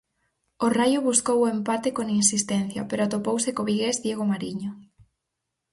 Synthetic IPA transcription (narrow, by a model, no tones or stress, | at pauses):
orajʊβuskowoempat̪ekoŋinsist̪ɛn̟θjɐpeɾoat̪opowsekoβiɣezðjeɣ̞omaɾiɲʊ